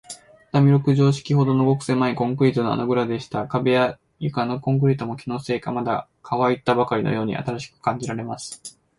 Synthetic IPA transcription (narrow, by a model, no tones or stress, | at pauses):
t̪amʲiɾokɯ̟ʑo̞ːɕi̥kʲiho̞d̪o̞no̞ɡo̞kɯ̟̥se̞ːmːaekõ̞ŋkɯ̟ɾʲiːt̪onoa̰noɡɯ̟ɾad̪e̞ɕi̥t̪akabe̞ja | jɯkanokõŋk̬ɯ̟ɾʲiːt̪omo̞kʲino̞ːse̞ːka̰mad̪a̰ | kʰaβait̪ːabakaɾʲino̰jo̞ːɲ̟ḭʔa̰t̪aɾaɕi̥kɯ̟̥kãɲ̟d͡ʑiɾaɾe̞masɨ̥